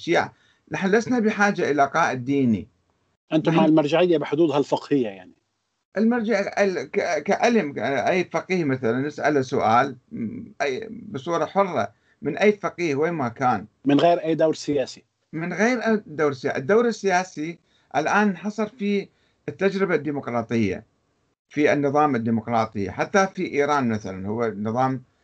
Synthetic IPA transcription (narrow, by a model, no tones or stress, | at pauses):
ʃiːʕ | lʔaħɪnlasnabɪħaːd͡ʒaʔɪlaqɑːʔɪd̪ːiːnḭ | ʔɪnt̪ʊɦaːlmaɾˤd͡ʒaʕɪjːabɪħʊd̪uːd̪halfɪqhɪjːajaʕni | ʔɪlmaɾˤd͡ʒaʕʔkakaʔalɪmʔajːfaqiːhmaθalanːɪsʔa̰lasʊʔaːlʔajbɨsˤuːɾˤɑħʊrˤːɑ̰ | mɪnʔajːfɑqiːhweːmakaːnmɪnɣeːɾʔajːd̪awɾsɪjaːsi | mɪnɣeːɾʔad̪aːɾɪsːɪja̰ʔɪd̪ːawɾɪsːɪjaːsi | ʔa̰lʔaːnnħɑsˤɨɾfi | ɪt̪ːad͡ʒɾɪbad̪ːiːmʊqɾˤɑːt̪ˤɨjːa̰ | fiɪnːɨðˤɑːmɪd̪ːiːmʊqɾˤɑːt̪ˤɨja̰ħat̪ːafiʔiːɾɑːnmaθalanhʊwːanːɨðˤɑːm